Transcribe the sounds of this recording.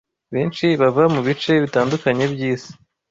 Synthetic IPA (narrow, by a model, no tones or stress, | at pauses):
βiːnt͡ʃiβavamuβit͡ʃe̞βitaːndukaɲe̞bjiːzi̥